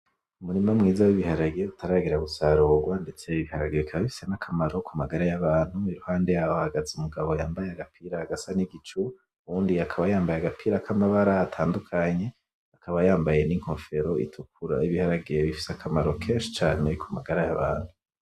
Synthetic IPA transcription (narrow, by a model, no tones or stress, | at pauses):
umuɾimamŋiːzawiβihaɾaɡeeutʰaɾaɡeɾaɡusaɾoːɡwande̞t͡seiβihaɾa̰ɡeβikʰaβaβifi̥senakʰamaɾo̞kʰumaɡaɾajaβaːn̥huiɾuhaːnde̞jahoahaɡazeumuɡaβojaːmbajeaɡapʰiːɾaːɡasaniɡit͡ʃu | wuːndiakʰaβajaːmbajaɡapʰiːɾakʰamaβaɾaːtʰaːndukʰaɲe̞ | akʰaβajaːmbaje̞niŋ̥ho̞fe̞ɾo̞ʔḭtʰukuɾa̰iβihaɾaɡejeβifi̥sakʰamaɾo̞kʰe̞ːnʃi̥t͡ʃaːne̞kʰumaɡaɾajaβa̰ːn̥hu